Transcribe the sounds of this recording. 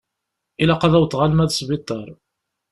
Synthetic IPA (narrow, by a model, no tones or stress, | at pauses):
ilæqɑðˤæwt̪ːʁalmæðsvit̪ˤːɑɾˤ